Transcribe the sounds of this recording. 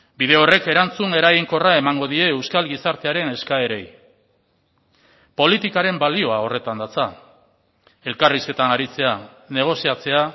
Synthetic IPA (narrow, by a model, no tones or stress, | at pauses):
biðe̞o̞re̞ke̞ɾant͡sune̞ɾaɣiŋko̞rae̞maŋɡo̞ðie̞ːewskalɡisaɾt̪e̞aɾe̞ne̞skae̞ɾe̞j | po̞lit̪ikaɾe̞mbalio̞ao̞re̞t̪and̪at͡sa | e̞lkariske̞t̪anaɾit͡se̞a | ne̞ɣ̞o̞siat͡se̞a